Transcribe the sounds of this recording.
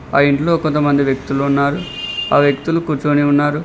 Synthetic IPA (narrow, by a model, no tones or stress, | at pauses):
aːiɳʈlo̞ːko̞nt̪̬ɐmɐnd̪iʋjek̚t̪uluunːaːɾuaːʋjekt̪ulukuːɾt͡ʃkoniunːaːɾu